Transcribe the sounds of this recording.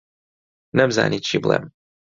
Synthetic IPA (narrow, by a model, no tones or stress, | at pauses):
nɛmza̰nʲit͡ʃiblˠɛ̰m